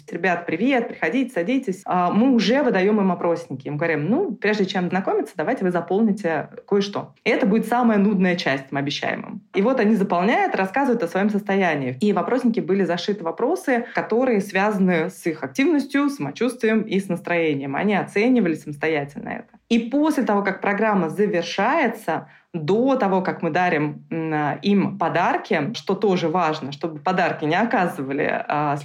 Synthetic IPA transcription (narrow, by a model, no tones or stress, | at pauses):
tʲɾʲɪbʲat̪pɾʲɪvʲe̞t̪̚pɾʲɪxɐdʲitʲɪ̥sɐdʲitʲɪsʲamɨʊʐɛvɨd̪ɐjo̞mɨmɐpɾo̞sʲnʲɪkʲɪmɨɡəvɐɾʲimnupɾʲeʐdʲɪt͡ɕemznɐko̞mʲɪt̪səd̪ɐvajtʲɪvɨzɐpo̞lˠnʲɪtʲɪko̞jʂt̪o̞̰ | ɛt̪əbudʲɪt̪saməjənud̪nəjət͡ɕæsʲtʲmɐbʲɪɕːæ̰jɪ̰mɨ̰mivo̞t̪ɐnʲizəpɑlˠnʲæjʊt̪ɾɐskazəvʊt̪əsvɐjo̞msəst̪ɐjænʲɪːivɐpɾosʲnʲɪkʲɪbɨlʲɪzɐʂɨt̪ɨvɐpɾo̞sɨkɐt̪o̞ɾɨjəsvʲazənɨsixɐk̚tʲivnəsʲtʲjʊsːəmɐt͡ɕust̪vʲɪjəmisnəst̪ɾɐjenʲɪjəmɐ̰nʲiɐt̪senʲɪvəlʲɪsəməst̪ɐjætʲɪlʲnə̰ɛ̰t̪ə̥iposʲlʲɪt̪ɐvo̞kak̚pɾɐɡɾamːəzəvʲɪrʂajɪt̪sə | d̪o̞t̪ɐvo̞kakmɨd̪aɾʲɪm | impɐd̪arkʲɪʂt̪o̞t̪o̞ʐɨvaʐnəʂt̪o̞bɨpɐd̪arkʲɪnʲɪɐkazɨvəlʲɪ̰ə